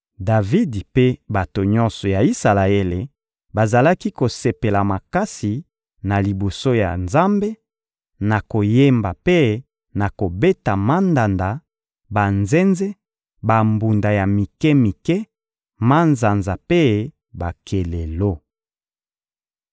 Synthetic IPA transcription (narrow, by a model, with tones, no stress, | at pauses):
da˨vi˦dpe˦ba˨to˨ɲɔ˦nsɔ˨ja˨i˦sa˨la˨e˦le˨ | ba˨za˨la˦ki˦ko˨se˨pe˨la˨ma˨ka˦si˨ | na˨li˨bo˨so˦ja̰˨nza˦mbe˦ | na˨ko˨je˦mba˨pe˦ | na˨ko˨be˦ta˨ma˦nda˨nda˨ | ba˨nze˦nzɛ˦ | ba˨mbu˨nda˨ja˨mi˨kɛ˦mi˨kɛ˦ | ma˦nza˨nza˨pe˦ | ba˨kʰe˨le˨lo˦